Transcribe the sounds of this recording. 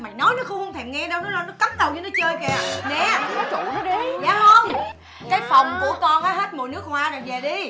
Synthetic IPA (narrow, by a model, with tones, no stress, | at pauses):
ma̰˨˩jnɔ˨˦jnɔ˨˦xʊ˧ŋ͡mhə˧wŋ͡mt̪ʰɛ˨˩mŋɛ˧ɗə˧wnɔ˨˦lɔ˨˧˦nɔ˨˦ka˦˥t̚ɗə˨˩wɲɨ˧nɔ˨˦t͡ɕəː˧jkɛː˨˩nɛ˨˦ɔ˨˦ṵ˧˨t̪ʰːi˧zaː˨˦hə˧m | kaː˨˦jfa˨˩wŋ͡mkṵ˧˩əkɔ˧faː˨˦ɦe˦˥t̚mo̰˨˩jnɨ˦˥ək̚hwaː˨˧˦ɗo˨˩jve˨˩ɗi˧